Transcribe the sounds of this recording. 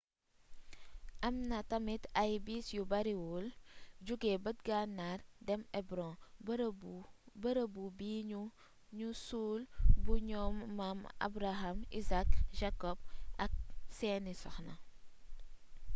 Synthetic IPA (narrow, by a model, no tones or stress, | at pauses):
ʔɐmnɐtɐmitajbiːsjubɐɾiwuld͡ʒuɡebɐt̚ɡanːardɛmɛbɾɔ̃bɾbubəɾəbubiːɲu | ɲusuːlbuɲɔːmːama̰bɾaɦamisak̚ʒakɔb̚ɐk̚sɛːnisɔxnɐ